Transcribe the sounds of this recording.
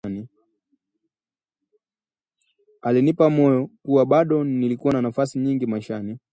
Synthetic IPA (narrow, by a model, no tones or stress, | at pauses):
ni | alinipamɔjɔkuwaɓaɗɔnilikuwananafasiɲiŋɡimaʃani